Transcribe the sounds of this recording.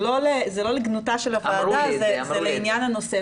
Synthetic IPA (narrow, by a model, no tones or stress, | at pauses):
lo̞lezelo̞leɡnutaʃelavaːdazezeleinjanano̞se